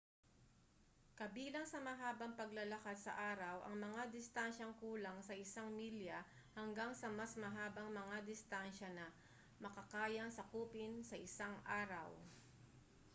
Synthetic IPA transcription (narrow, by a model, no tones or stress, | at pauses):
kɐbiːlɐŋsɐmɐɦaːbɐŋpɐɡlɐlɐkad̪̚sɐ̰ʔaːɾɐwʔɐ̰ŋmɐŋad̪ɪst̪anʃɐŋkuːlɐŋsɐʔɪsaŋmiljɐ | hɐŋɡaŋsɐmɐsmɐɦaːbɐŋmɐŋad̪ɪst̪anʃɐnɐ | mɐkɐkaːjɐŋsɐkuːpɪnsɐʔɪsaŋʔaːɾɐw